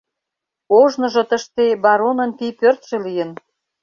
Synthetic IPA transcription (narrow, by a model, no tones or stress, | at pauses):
oʒnɤ̆ʒɤ̆t̪əʃt̪ebɑɾonə̆npipørt̪ʃĕlijən